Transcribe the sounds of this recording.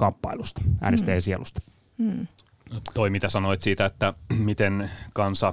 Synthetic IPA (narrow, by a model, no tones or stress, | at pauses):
kɑmpːɑilust̪ɑ̥æ̰ːnest̪eːsielust̪ɑ̥ | t̪oimit̪æsɑnoit̪siːt̪æet̪ːæmit̪enkɑnsɑ